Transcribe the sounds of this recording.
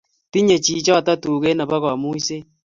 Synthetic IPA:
ti˦ɲe˨t͡ʃi˨t͡ʃɔ˦˨ta˦tuː˨ɣe˦na˨ba˦ɣwa˨mu˦i˦se˦

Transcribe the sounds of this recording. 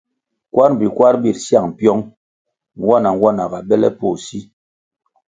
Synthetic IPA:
kwa˦ɾm˨bi˨kwa˦ɾbi˨ɾsja˦˨ŋ̩˨pjɔ˦ŋ | ŋ˦wa˦na˨ŋ˦wa˦na˨ɡa˨ɓɛ˦lɛ̰˦po˦˨si˦

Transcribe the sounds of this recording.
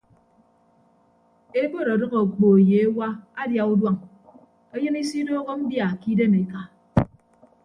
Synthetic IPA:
e˦bo˦ɾa˨dɨ˦ɣo˨k͡po˨e˨je˨e˦wa˦a˦dja˨u˦dwa˦ŋ | e˦jɨ˦ni˦si˦doː˦ɣo˦m̩˦bja˨ki˦de˦me˨ka˨

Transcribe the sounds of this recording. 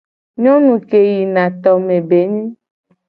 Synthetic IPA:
ɲɔ̃˦nũ˨ke˨ji˨nã˨t̪ɔ˨mẽ˨be˨˦ɲĩ˦

